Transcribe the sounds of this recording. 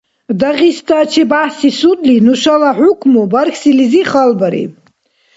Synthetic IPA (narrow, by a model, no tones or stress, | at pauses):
d̪aʁist̪ʼat͡ʃʰibahsisud̪linuʃalaħukʰmubaɾkʰsiliziχalbaɾḭ